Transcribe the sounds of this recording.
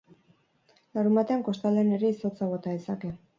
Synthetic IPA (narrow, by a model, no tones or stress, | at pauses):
laɾumbat̪e̞aŋko̞st̪ald̪ene̞ɾe̞iso̞t͡saβo̞t̪aðesake̞